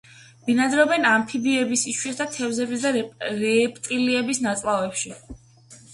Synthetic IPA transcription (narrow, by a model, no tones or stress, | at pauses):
binad̪ɾɔbɛnampʰibiɛbisiʃwɛsd̪at̪ʰɛvzɛbisd̪aɾɛpʼt̪ʼiliɛbisnat̪sʼlˠavɛpʃi